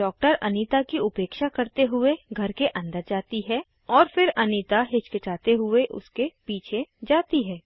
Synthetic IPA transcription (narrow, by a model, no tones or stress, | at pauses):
ɖɔːk̚ʈəɾɐniːt̪akiʊpeːkʃakɐɾt̪eɦʊeɡʱɐɾkeʔɐ̃nd̪əɾd͡ʒaːt̪iɦɛː | ɔːɾfɪɾɐniːt̪aɦɪt͡ʃkɪʈaːt̪eɦʊeʔʊ̰skepiːt͡ʃʰed͡ʒaːt̪iɦɛː